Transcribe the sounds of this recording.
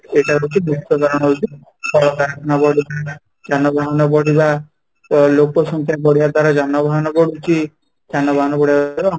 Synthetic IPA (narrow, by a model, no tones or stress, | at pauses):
eʈaɾut͡ʃimuk̚t̪ɔd̪aɾɔɽ̃ɔɦowt͡ʃi | kɔɭɔkaɾakʰɔnabɔɽiba | d͡ʒanɔbʱaɦɔnɔbɔɽiba | lokɔsɔŋkʰjabɔɽijaɾd̪ʱwaɾad͡ʒanɔbʱaɦɔnɔbɔɽut͡ʃʰi | d͡ʒanɔbaɦɔnɔbɔɽija